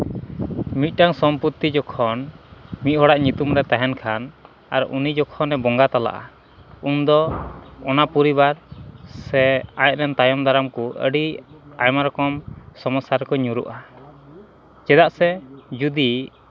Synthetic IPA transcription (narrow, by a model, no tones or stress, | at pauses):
mit̪̚ˀʈaŋsɔmput̪ːid͡ʒɔkʰɔnmit̪̚ɦɔɽaʔɲut̪umɾɛt̪aɦɛnkʰan | aɾ̰ʔunid͡ʒɔkʰɔnːɛbɔŋɡat̪ala̰ʔa̰ | und̪ɔɔnapuɾiβaɾsɛaj̚ɾɛnt̪ajɔmd̪aɾamkɔʔə̰ɖiajmaɾɔkɔmsɔmɔsaɾkɔɲuɾṵʔa | t͡ʃɛd̪aʔsɛd͡ʒud̪i